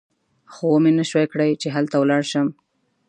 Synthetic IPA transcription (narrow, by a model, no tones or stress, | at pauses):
xowomenaʃwajkɽəjt͡ʃeɦalt̪awlɑɽʃəm